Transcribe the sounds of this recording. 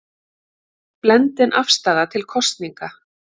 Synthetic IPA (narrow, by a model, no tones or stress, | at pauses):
plɛnt̪ɪnʔafst̪aːðat̪ʰɪlkʰɔst̪niŋka